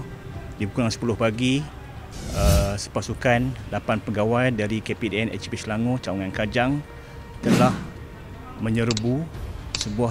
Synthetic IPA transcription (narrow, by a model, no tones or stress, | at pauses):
dibukaŋsə̥pulʊhpaɡi | əsə̥pasukanlapanpəɡawajdaɾikepedeɛnɛ̰t͡ʃbislaŋot͡ʃauŋankad͡ʒaŋ | t̪əlah | mə̃ɲəɾbusəbua